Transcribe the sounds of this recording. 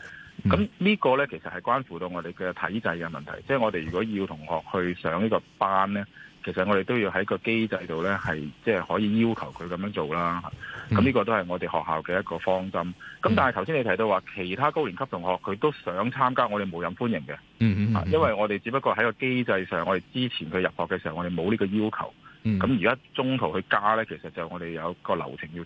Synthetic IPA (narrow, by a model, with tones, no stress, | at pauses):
kɐ˨˥mliː˥kɔː˧lɛː˥kʰe˨˩sɐ˨t̚hɐ˨jkwaː˥nfuː˨˩t̪o˧ŋɔː˨˧t̪e˨jkɛ˧t̪ʰɐ̰˨˥jt͡sɐ˧jkɛ˧mɐ̰˨nt̪ʰɐ̰˨˩jt͡sɛː˥˩ŋɔː˨˧t̪e˨jɥyː˨kɔː˨˥ji˧wt̪ʰʊ˨˩ŋhɔː˨˩k̚hɵ˧ɥsœː˨˥ŋniː˥kɔː˧paː˥nɛ˥kʰe˨˩jsɐ˨t̚ŋɔː˨˧ɾe˨jt̪o˥wjiː˧wɦɐ˥jkɔː˧ke˥jt͡sɐ˧jt̪o˨wlɛ˥hɐ˨jt͡sɛː˥˩hɔː˨˥jiː˧jiː˥wkʰɐ˨˩wkʰɵ˨˧ɥkɐ˨˦mjœː˨˧˥ŋt͡so˨˩wlaː˥ɦa̰ː˨kɐ˨˥mliː˥kɔː˧t̪o˥hɐ˨˩jŋɔː˨˧t̪e˨jhɔː˨k̚haː˨˩wkɛː˧jɐ˥t̚kɔː˧fɔː˥ŋsɐ˥mkɐ˨˥mt̪aː˨hjt̪ʰsiː˥ne˧t̪ʰjt̪o˧waː˨kʰe˨˩jt̪ʰaː˥ko˥wli˨˩nkʰɐ˥p̚t̪ʰʊ˨˩ŋhɔː˨kʰːɵ˨˧ɥt̪o˥wsœː˨˥ŋt͡sʰaː˥mkaː˥ŋɔː˨˧ɾe˨˩mo˨˧wjɐ˨˧nfuː˥njɪ˨˩ŋkɛ˧ | ha̰ː˨˩jɐ˥nwɐ˨jŋɔ˨˧e˨jt͡siː˨˧˥p̬ːɐ˥tkɔː˧hɐ˨˥jkɔ˧ke˥jt͡sɐ˧jsœː˨ŋːɔː˨˧ɾe˨jt͡siː˥t͡sʰiː˨˩nkʰɵ˨˧jɐ˨p̚hɔː˨kːɛː˧si˨˩hwŋɔ˨˧e˨jmo˨˧wliː˥kɔː˧jiː˥wkʰɐ̰˨˩wkɐ˨˦˥mjiː˨kaː˦˥t͡sʊ˥ŋt̪ʰwhɵ˧ɥkaː˥lɛː˥kʰe˨˩jsɐ˨t̚t͡sɐ˨wŋɔː˨˧t̪e˨jjɐ˨˧wkɔː˧lɐ̰˨˩wt͡sʰɪ˨˩ŋjiː˧